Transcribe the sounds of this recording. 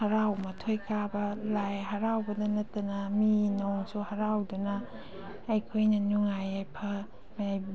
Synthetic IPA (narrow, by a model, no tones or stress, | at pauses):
hɐɾawmɐtʰojkʰabɐlajɦɐɾawbɐdɐnɐtːɐnɐminɔŋsuhɐɾawdunɐː | jkʰojnɐnuŋajajpʰɐ | majaj